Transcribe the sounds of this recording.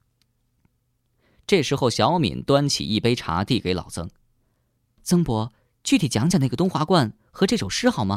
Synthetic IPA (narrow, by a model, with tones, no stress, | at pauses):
ʈ͡ʂɤ˥˩ʂɻ̩˧˥xo˥˩ʊɕjɑ˧˥ʊmḭ˨˩˦nt̪wa˥nt͡ɕʰḭ˨˩i˥˩pe˥ɪʈ͡ʂʰa̰˧˥t̪i˥˩ke˧˥ɪlɑ̰˨˩ʊt͡sɤ̰˥ŋ | t͡sɤ˥ŋpwɔ˧˥ | t͡ɕy˥˩t̪ʰi˨˩t͡ɕjɑ˧˥ŋt͡ɕja˨˩d̪ə˧t̪ʊ˥ŋxwa˧˥kwa˥˩n | xɤ˧˥ʈ͡ʂɤ˥˩ʂo˨˩ʊʂɻ̩˥xɑ˥˩ʊmɐ˩